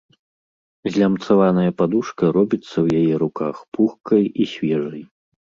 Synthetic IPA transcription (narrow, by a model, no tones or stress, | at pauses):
zʲlʲamt̪savanɐjɐpad̪uʂkɐɾɔbʲit̪sːɐwjajɛɾukaxpuxkɐjisʲvʲɛʐɐj